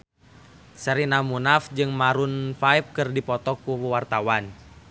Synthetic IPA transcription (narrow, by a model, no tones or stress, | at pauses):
səɾinamunafd͡ʒɨŋmaɾunfaip̚kɨrdipɔt̪ɔkuwart̪awan